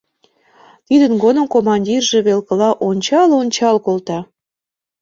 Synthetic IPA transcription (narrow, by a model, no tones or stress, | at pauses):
t̪id̪ənɡonə̆mkomɑnʲdʲirʒĕβelkəlɑʔonʲt͡ɕɑlonʲt͡ɕɑlkolt̪ɑ